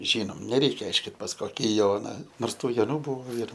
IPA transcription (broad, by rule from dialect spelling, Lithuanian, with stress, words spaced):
ˈʒʲiːnoːm nʲɛˈrʲɛɪkʲɛ ˈɐɪʃʲkʲɪt pɐs ˈkoːkʲɪ ˈjoːnɐ ˈnoːrs ˈtuː joːˈnuː ˈbuːʋoː ɪr